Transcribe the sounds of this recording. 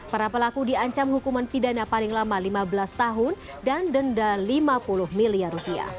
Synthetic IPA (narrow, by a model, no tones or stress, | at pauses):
paɾapəlakudiaɲt͡ʃamɦukumanpidanapalɪŋlamalimabəlast̪aɦʊn | dandəndalimapulʊhmiliarupia̰